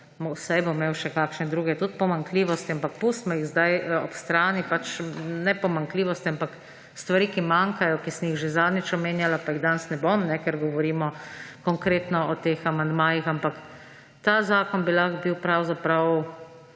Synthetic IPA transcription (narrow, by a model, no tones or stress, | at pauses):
mwsajbomeːwʃɛkaːkʃnɛd̪ɾuːɡɛt̪ut̪̚pɔmaŋkliːʋɔst̪iampak̚pusmɔjiɣzd̪ajɔpst̪ɾaːnipat͡ʃnɛpɔmaŋkliːʋɔst̪iampak | st̪ʋaɾiːkimaŋkajɔkisɛnjiɣʒezaːd̪nʲit͡ʃɔmeːnjalapaiɣd̪ansnɛbomnɛkɛɾɡɔʋɔɾiːmɔkɔŋkɾeːt̪nɔɔt̪eːxamand̪maːjixampak | t̪azaːkɔnbilaxbiwpɾawzapɾaw